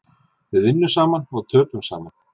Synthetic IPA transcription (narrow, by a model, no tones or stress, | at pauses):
vɪðvɪnːʏsaːmanɔɣt̪ʰœːt̪ʏmsa̰ːman